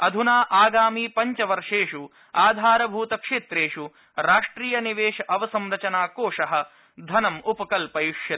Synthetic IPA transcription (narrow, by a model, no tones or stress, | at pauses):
ɐd̪ʱunaːʔaːɡaːmiːpɐɲt͡ʃɐʋɐɾʂeːʂu | aːd̪ʱaːɾɐbʱuːt̪ɐkʂeːt̪ɾeːʂu | ɾaːʂʈɾiːjɐniʋeːʃɐʔɐʋɐsɐmɾɐt͡ʃɐnaːkoːʂɐɦɐ̆ | d̪ʱɐnɐmupɐkɐlpɐjuʂjɐ